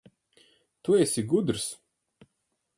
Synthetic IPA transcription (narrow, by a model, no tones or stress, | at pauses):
t̪uɛsʲiɡud̪ɾs